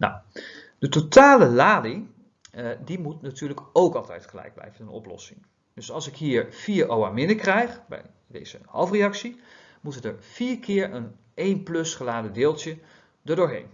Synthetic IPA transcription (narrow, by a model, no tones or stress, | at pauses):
na̰w | d̥ətotaːləlaːdi | dimutnatyːɹləkowkɑlˠtɛ̰jtχəlɛ̰jɡ̚blɛ̰jvənənɔ̰plɔ̰sɪŋ | d̥øsɑlˠsɪkɦiːɹfiːɹʔowamɪnəkrɛjχbɛ̰j | dḛjz̥ə̰hɑ̰lˠfreɑksi | mutədəɹfiːɹkʰɪːɹən | ʔejnplɵsχəlaːdədɪːlˠtjə | dəɹdʊːɹɦḛjn